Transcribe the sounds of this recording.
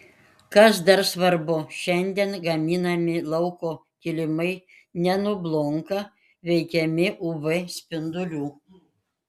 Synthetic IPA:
kɐs̬d̪ɐɾsʋɐɾbʊʃʲɛnʲd̪ʲɛnɡɐmʲiːnɐmʲɪlˠɒʊkoː | kʲɪlʲɪmɐɪ | nʲɛnʊblˠoŋkɐ | ʋʲɛɪkʲɛmʲɪʔʊʋɨsʲpʲɪnd̪ʊlʲuː

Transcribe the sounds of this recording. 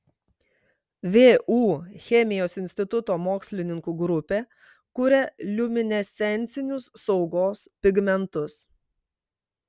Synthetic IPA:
ʋʲeːʔuːxʲɛmʲɪjoːsɪnʲsʲt̪ʲɪt̪ʊt̪oːmoːksʲlʲɪnʲɪŋkuɡɾʊpʲeː | kʊɾʲɛlʲʊmʲɪnʲɛsʲɛnʲˑt̪sʲɪnʲʊsːɒʊɡoːspʲɪɡmʲɛnt̪ʊs

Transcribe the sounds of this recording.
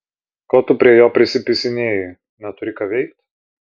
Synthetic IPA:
koːt̪ʊpʲɾʲiɛjoːpʲɾʲɪsʲɪpʲɪsʲɪnʲeːjɪ | nʲɛt̪ʊɾʲɪkɐʋʲɛɪkt̪ʲ

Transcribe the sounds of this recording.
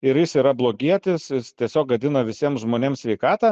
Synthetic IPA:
ɪɾjɪsiːɾɐblˠoːɡʲiɛt̪ʲɪsjɪst̪ʲiɛsʲoːkʋɐd̪ʲɪnɐʋʲɪsʲiɛmʒmoːnʲeːmsʲʋʲɛɪkɑːt̪ɑ

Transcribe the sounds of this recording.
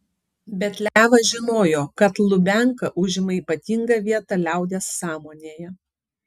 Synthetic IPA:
bʲɛt̪lʲæːʋɐʒʲɪnoːjoːkɐt̪lˠʊbʲæŋkɐʔʊʒʲɪmɐiːpɐt̪ʲiŋɡɐʋʲiɛt̪ɑlʲæˑʊd̪ʲeːsːɑːmoːnʲeːjɛ

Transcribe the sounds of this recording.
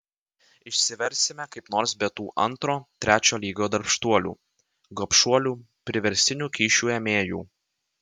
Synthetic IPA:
ɪʃʲsʲɪʋʲɛɾʲˑsʲɪmʲɛkɐɪpnoːɾs̬bʲɛt̪uːʔɐ̰nt̪ɾoːt̪ʲɾʲæːt͡ʃʲoːlʲiːɡoːd̪ɐɾpʃt̪uɔlʲṵː | ɡɔpʃuɔlʲuː | pʲɾʲɪʋʲɛɾʲsʲt̪ʲɪnʲuːkʲiːʃʲuːɛmʲeːjṵː

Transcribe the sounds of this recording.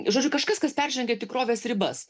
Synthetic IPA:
ʒoːd͡ʒʊkɐʃkɐskɐspʲɛrʲʒʲɛŋʲɡʲɛt̪ʲɪkɾoːʋʲeːsɾʲɪbɐs

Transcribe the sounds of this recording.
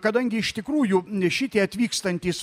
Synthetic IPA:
kɐd̪ɐŋʲɡʲɪɪʃt̪ʲɪkɾuːjʊʃʲɪt̪ʲiːɐt̪ʲʋʲiːkst̪ɐnʲt̪ʲiːs

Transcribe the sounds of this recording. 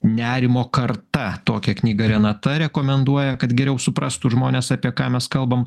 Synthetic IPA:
nʲæːɾʲɪmoːkɐrt̪ɐt̪oːkʲɛknʲiːɡɐɾʲɛnɐt̪ɐɾʲɛkoːmʲɛnd̪uɔjɛkɐt̪ɡʲɛɾʲɛʊsʊpɾɑːst̪ʊʒmoːnʲeːsɑːpʲiɛkɑːmʲɛskɐlˠbɐm

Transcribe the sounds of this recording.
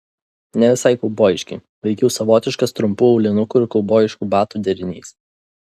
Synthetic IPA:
nʲɛʋʲɪsɑɪkɔʊboːjɪʃʲkʲɛɪ | ʋʲɛɪkʲɛʊsɐʋoːt̪ʲɪʃkɐst̪ɾʊmpuːɐʊlʲɪnʊkuɪɾkɔʊboːjɪʃkuːbɑːt̪uːd̪ʲɛɾʲɪnʲḭːs

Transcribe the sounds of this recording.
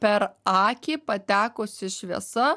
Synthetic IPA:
pʲɛɾɑːkʲiːpɐt̪ʲæːkoːsɪʃʲʋʲiɛ̰sɐ

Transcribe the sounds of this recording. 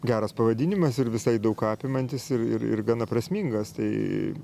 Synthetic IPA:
ɡʲæːɾɐspɐʋɐd̪ʲɪnʲɪmɐsɪɾʋʲɪsɐɪd̪ɐʊkɑːpʲɪmɐnʲt̪ʲɪsɪrɪ̰ɾɪ̰rɡɑnɐpɾɐsʲmʲiŋɡɐst̪ɐɪ

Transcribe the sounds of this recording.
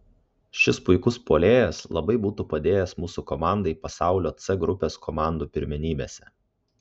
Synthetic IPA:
ʃʲɪspʊɪkʊspoːlʲeːjɛslˠɐbɐɪbuːt̪uːpɐd̪ʲeːjɛsmuːsukɔmɑˑnd̪ɐɪpɐsɑˑʊlʲoːt̪sɛɡɾʊpʲeːskʰomɑˑnd̪uːpʲɪɾʲmʲɪnʲiːbʲḛːsʲɛ

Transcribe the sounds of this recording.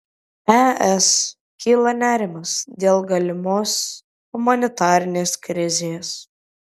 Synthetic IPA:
æɛs | kʲiːlˠɐnʲæːɾʲɪmɐsd̪ʲeːlˠɡɐlʲɪmoːs | hʊmɐnʲɪt̪ɑːɾʲɪnʲeːskɾʲɪzʲeːs

